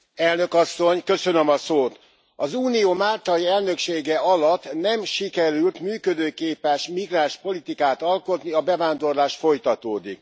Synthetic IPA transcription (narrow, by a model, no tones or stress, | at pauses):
ɛlnø̞kɒsːo̞ɲkø̞sønømɒsoːt̪ | ɒzuːnijoːmaːlt̪ɒjiɛlnø̞kʃeːɡɛɒlɒt̪ːnɛmʃikɛɾylt̪myːkød̪øːkeːpɛʃmiɡraːʃpo̞lit̪ikaːt̪ɒlko̞t̪niɒbɛvaːnd̪o̞rlaːʃt̪fo̞jt̪ɒt̪oːd̪ik